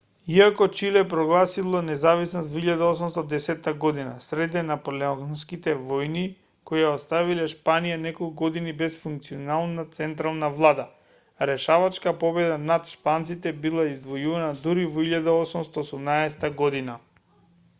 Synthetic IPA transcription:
iakɔt͡ʃilɛpɾɔɡlˠasilˠɔnɛzavisnɔst̪vɔiʎad̪aɔs̬umst̪ɔd̪ɛsɛt̪ːaɡɔd̪inasɾɛd̪ɛnapolɛɔnskit̪ɛvɔjni | kɔjaɔst̪avilɛʃpanijanɛkolˠkuɡɔd̪inibɛsfuŋk̚t̪sionalˠnat̪sɛnt̪ɾalˠnavlˠad̪a | aɾɛʃavat͡ʃkapɔbɛd̪anat̪ʃpant̪sit̪ɛbilˠaizd̪vɔjuvanad̪uɾivɔiʎad̪aɔsumst̪aosumnaɛsɛ̥t̪aɡɔd̪ina

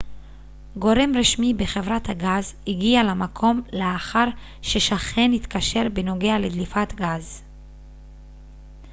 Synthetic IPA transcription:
ɡo̞ʁe̞mʁiʃmibeχe̞vʁathaɡazhiɡialamakʰo̞mleaχaʁ | ʃeʃaχe̞nit̪kaʃe̞ʁbeno̞ɡe̞aled̪lifat̪ɡaz

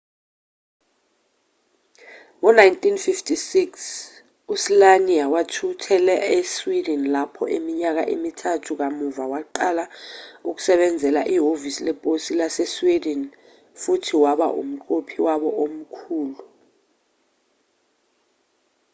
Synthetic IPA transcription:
ŋɔnajntʰʼinfiftʰʼisiks | uslaniawatʰutʰɛlɛeswidɛnlapʰɔ̰ʔemiɲak̬a̰ʔḛmitʰatʰuk̬amuvawaǃalauk̬u̥sɛɓɛnd͡zʱɛlaʔiɦovisilɛpʼosilasɛswidɛn | futʰiwaɓa̰ʔṵm̩ǃopʰiwaɓɔʔom̩kʰuːlu

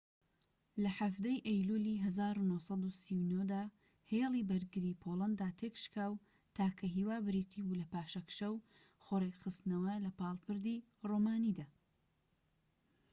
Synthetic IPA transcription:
lɐħafd̪ejʔɐjluliɦɐzaːɾunohsɑd̪usiwnod̪aː | helˠiːbɐɾɡɨɾiːpʰolˠɐnd̪aːt̪ʰekʃkaːw | t̪ʰaːkʰɐɦiːwaːbɨɾiːt̪ʰibuːlɐpaːʃɐkʃɐw | xoɾekxɨst̪nɐwɐlɐpɑːlˠpɨɾd̪i | romaːnid̪aː

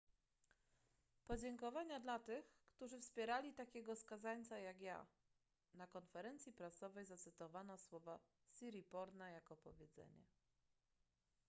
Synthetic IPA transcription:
pɔd͡ʑɛŋkɔvaɲad̪lat̪ɘxkt̪uʐɘfspʲjɛɾalʲit̪akʲɛɡɔskazaɲt̪sajakja̰ | nakɔnfɛɾɛnt̪sʲjipɾasɔvɛjzat̪sɘt̪ɔvanaswɔva | sʲiɾʲipɔɾnajakɔpɔvʲjɛd̪zɛ̰ɲɛ̰

